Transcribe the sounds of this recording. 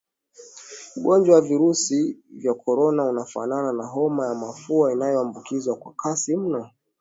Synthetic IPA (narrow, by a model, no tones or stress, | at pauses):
uɠɔnd͡ʒwawaviɾusivjakʰɔɾɔnaunafa̰nananaɦɔmajamafuainajɔambukizwakwa̰kʰasim̩nɔ